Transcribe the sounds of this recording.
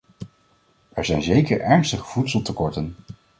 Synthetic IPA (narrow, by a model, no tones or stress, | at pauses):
ʔɛɹzɛjnzejkəɹɛɹnstəχə̥v̥utsəlˠtəkɔɹtən